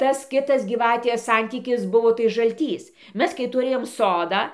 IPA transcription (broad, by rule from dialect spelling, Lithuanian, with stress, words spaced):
ˈtɐs ˈkʲɪtɐs ɡʲiːˈʋɑːtʲeːs ˈsɐnʲtʲiːkʲɪs ˈbʊʋoː tɐɪ ʒɐlʲˈtʲiːs ˈmʲɛs kɐɪ tʊˈrʲeːjoːm ˈsoːdɑː